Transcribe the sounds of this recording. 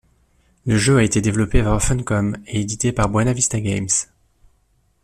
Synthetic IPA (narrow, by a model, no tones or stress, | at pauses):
ləʒøaet̪ed̪evlɔpevaʁfɛnkɔmeed̪it̪epaʁbwanavist̪aɡʲɛms